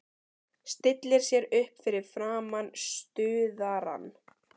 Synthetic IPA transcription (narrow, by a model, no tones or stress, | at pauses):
st̪ɪt̪lɪɾ̥sjɛɾʏhpfɪɾɪɾ̥fɾaːmanst̪ʏːðaɾa̰nː